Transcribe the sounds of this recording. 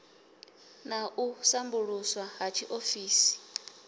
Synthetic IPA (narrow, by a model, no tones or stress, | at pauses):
naʔusambuɺuswaɦat͡ʃʰiʔofiːsi̥